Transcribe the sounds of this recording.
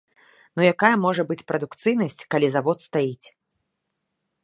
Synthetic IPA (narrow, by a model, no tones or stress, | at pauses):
nujakajɐmɔʐɐbɨt͡sʲpɾɐd̪ukt̪sɨjnɐsʲt͡sʲkalʲizavɔt̪st̪ajit͡sʲ